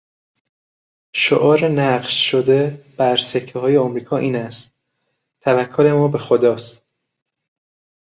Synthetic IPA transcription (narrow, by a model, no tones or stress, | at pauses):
ʃoʔɒːɾenæɢʃʃod̪eb̥æɾsecʰːeɦɒːjeɒmɾiːkʰɒːʔiːnæst̪̚ | t̪ʰævækʰːole̞mɒːbe̞xod̪ɒːst̪